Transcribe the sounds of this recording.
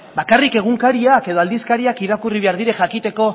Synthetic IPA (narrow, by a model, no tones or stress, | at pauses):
bakarike̞ɣ̞uŋkaɾiake̞ðo̞ald̪iskaɾiakiɾakuriβe̞aɾð̞iɾe̞ʝakit̪e̞ko̞